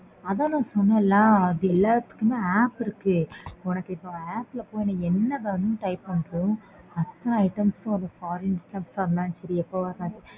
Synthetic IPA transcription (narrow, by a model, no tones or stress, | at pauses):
ɐðãːnãːsɔnːɐlːãːɐðɯɛlːaːɾɐt̪ːɯ̥kːɯmẽːaːpɪɾɯkːɯɔnɐkːɪʈːõaːplɐpoːjɪnɐɛnːɐðɐɐnɯ̃ʈɐɪpɐɳkːʊ̃ | ɐt̪ːɐnɐɐɪʈɐmsʊ̃ɐnd̪ɐfaːɾɛnsʈɐpsɐnd̪aːnt͡ʃɐɾiɛpːoʋɐɾnaːʈːɯ